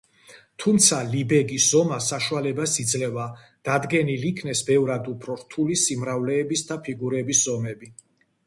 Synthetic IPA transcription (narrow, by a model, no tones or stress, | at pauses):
t̪ʰumt̪sʰalibɛɡiszɔmasaʃualɛbasid̪zlɛva | d̪̥ad̪ɡɛnilikʰnɛsbɛvɾad̪upʰɾɔɾt̪ʰulisimɾavlɛːbisd̪apʰiɡuɾɛbiszɔmɛbi